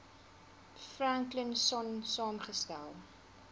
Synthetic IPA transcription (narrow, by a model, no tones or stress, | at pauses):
fræŋklənsɔnsɑːmχəstæ̰lˠ